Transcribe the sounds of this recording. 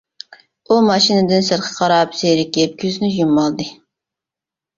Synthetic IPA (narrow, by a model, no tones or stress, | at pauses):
umɑʃinɪd̪ɪnsɨɾqʰə̥qʰɑɾɑpseɾɪkʲep̚kʲʰyznɪʒumːɑlˠd̪ɨ